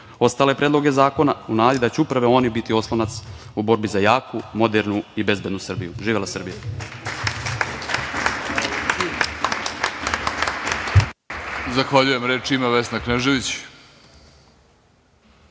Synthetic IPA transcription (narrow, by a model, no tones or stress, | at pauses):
o̞st̪aːlepɾʔed̪lo̞ɡe̞zaːko̞naunaːd̪id̪at͡ɕuupɾaʋeo̞nibit̪io̞slˠonat̪s | ubo̞ɾbizajaːkumo̞d̪eɾnuibe̞zbe̞d̪nusr̩bijuʒiːʋelˠasr̩bija | zaxʋaʎuje̞mɾet͡ʃimaʋesnakneʒeʋit͡ɕ